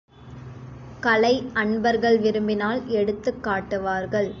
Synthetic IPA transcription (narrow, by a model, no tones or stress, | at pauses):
kɐlɐɪʔɐɳbɐɾɣɐɭʋɪɾɯmbɪnaːlɛɽɯt̪ːɯkːaːʈːɯʋaːɾɣɐɭ